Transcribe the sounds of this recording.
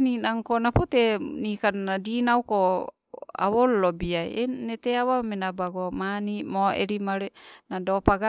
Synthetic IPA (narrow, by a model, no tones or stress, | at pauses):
ninaŋkonapotenikannadinawko | a̰wollobiajeneteawamenabaɡomanimoḛɾimaɾenadopaɡa